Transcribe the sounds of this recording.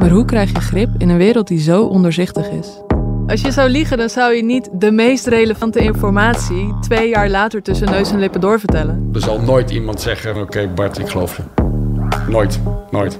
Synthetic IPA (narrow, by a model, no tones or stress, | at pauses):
maːɹɦukrɛjχjəχrɪpɪnənʋɪːɾəlˠt̚dizowʔɔndəɹzɪχtəχɪs | ʔɑlˠsjəzʌwliχəndɑnzʌwjənitdəmejstrejləvɑntəɪnfɔɹmaːtsitʋejjaːɹlaːtəɹtɵsənøɥsɛnlɪpədʊːɹvəɹtɛləndəɹzɑlˠnoːjtimɑntsɛχənokejbatɪkχəlowfə | noːjtnojt